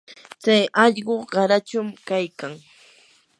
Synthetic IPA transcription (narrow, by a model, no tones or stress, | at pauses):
t͡sajʔɑʎɢoɢɑɾat͡ʃʊmkajkaŋ